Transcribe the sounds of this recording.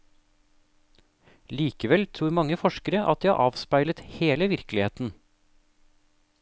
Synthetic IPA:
liːkəʋɛlt̪ʰɾuːɾmɑŋːəfɔʃkəɾəʔɑ̰t̪̚d̪iːhɑ̰ʔɑːʋspæɪlət̪heːləʋɪɾklɪheːt̪n̩

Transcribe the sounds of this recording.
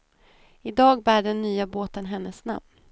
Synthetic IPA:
ɪd̪ɑːɡbæːɖɛnːyːaboːt̪ənɦɛnːəsna̰mn

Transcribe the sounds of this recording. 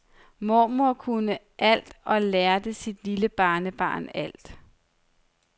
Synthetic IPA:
mɔmoɐkʰunə | ʔæl̰d̥ɒ̽læɐd̥əsid̥liləb̥ɑ̈ːnəb̥ɑ̰̈ːnæl̰d̥

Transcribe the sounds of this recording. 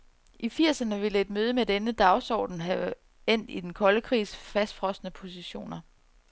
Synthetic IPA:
ʔifiɐ̰sɐnəʋe̝ləe̝d̥møːð̞ˠəmed̥enəd̥ɑ̈ʊsɒ̰ːd̥n̩ɦɛ | en̰d̥id̥enkʰɒ̽ləkʰʁḭːsfæsd̥fʁɒ̽sd̥nəpʰo̝siɕo̝̰ːnɐ

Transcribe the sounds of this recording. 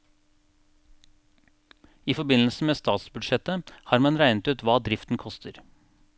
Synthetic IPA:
iːfɔbɪnl̩səmeːst̪ɑːt̪sbʉd̪ʃɛt̪əhɑːɾmɑnɾæɪnət̪ʉːt̪ʋɑːd̪ɾɪft̪n̩kʰɔst̪ʰəɾ

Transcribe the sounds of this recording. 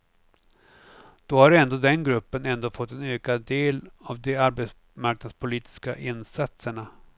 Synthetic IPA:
d̪̥ɔhaɾɛnd̪oːd̪ɛnɡɾɵpːənɛnd̪oːfɔt̪ːɛnøːkad̪eːlavd̪ɛaɾbɛs | maɾknad̪spʰʊliːt̪ɪ̥ska̰ʔɪnsat̪səɳa

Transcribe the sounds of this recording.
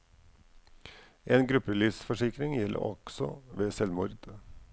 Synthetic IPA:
ʔeːnɡɾʉpəliːsfɔʂɪkɾɪŋjɛlʔə̰ɾɔ̰ɡ̥sɔ̰ʋeːsɛlmʊɾd̪̥

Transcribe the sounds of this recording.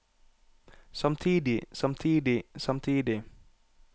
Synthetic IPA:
sʌmt̪ʰidisʌmt̪ʰidisʌmt̪ʰidi

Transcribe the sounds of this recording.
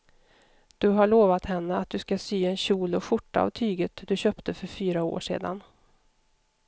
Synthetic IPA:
d̪̥ɵɦaɭoːvat̪hɛnːəat̪̚d̪ɵskasyːɛnɕuːlɔfʊʈːaa̰vt̪ʰyːɡət̪d̪ɵɕœːpt̪ʰəfœɾfyːɾao̰ːʂḛːd̪a̰n

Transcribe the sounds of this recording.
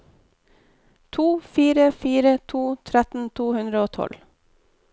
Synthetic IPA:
t̪ʰuːfiːɾəfiːɾət̪ʰuːt̪ʰɾɛt̪n̩t̪ʰuːhʉnd̪ɾəoːt̪ʰɔ̰l

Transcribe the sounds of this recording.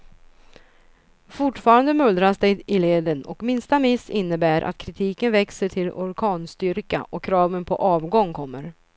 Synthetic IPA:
fʊʈfɑːɾand̪əmɵld̪ɾasd̪ɛjɪleːd̪ənɔ̰kmɪnst̪amɪsɪnːəbæːɾʔa̰t̪̚kʰɾɪt̪ʰiːkənvɛksəʈʰɪlɔɾkʰɑːnst̪ʏɾka̰ʔɔkʰːɾɑːvənpʰɔ̰ʔɑːvɡɔŋːkʰɔmːəɾ

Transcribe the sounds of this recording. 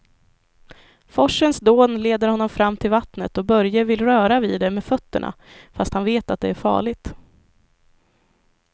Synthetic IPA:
fɔʂːənsd̪oːnleːd̪əɾhɔnːɔmfɾamːt̪ʰɪlvat̪nət̪ɔbœɾjəvɪlɾœːɾaviːd̪ɛmeːfœt̪ːəɳa̰ | fast̪hanveːt̪at̪̚d̪ɛæɾfɑ̰ːɭɪɡt̪

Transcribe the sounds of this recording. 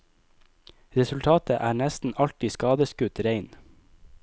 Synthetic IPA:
ɾɛsʉlt̪ʰɑːt̪əʔæːɳɛst̪n̩ɑlt̪ɪskɑːd̪əskʉt̪ɾeɪn

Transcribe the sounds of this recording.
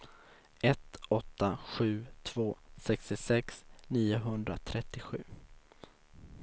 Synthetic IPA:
ʔɛt̪ɔt̪ːaɧʉ̟ːt̪ʰv̥oːsɛkst̪ɪsɛksniːʊɦɵnd̪ɾat̪ʰɾɛt̪ːɪɧʉ̟ː

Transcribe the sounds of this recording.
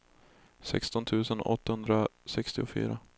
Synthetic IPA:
sɛ̰kst̪ɔnt̪ʰʉ̟ːsənɔ̰t̪ːahɵnd̪ɾasɛkst̪ɪʊfy̰ːɾa

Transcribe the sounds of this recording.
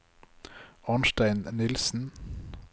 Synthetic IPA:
ɑnʃtæɪnnɪlsn̩

